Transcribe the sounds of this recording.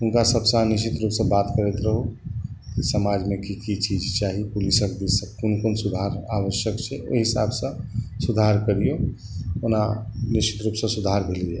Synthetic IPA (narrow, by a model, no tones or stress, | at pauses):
ʊnkasəbsãniʃit̪ɾupsə̃bat̪kəɾet̪ɾəɦokisəmad͡ʒmekikit͡ʃid͡ʒt͡ʃaɦipulisəkd̪isə̃konkonsud̪ʱaɾaʋəʃjəkt͡ʃʰɛo̰ɦisabsə̃sud̪ʱaɾkəɾijo | onaniʃi̥t̪ɾupsə̃sud̪ʱaɾbʱilɡe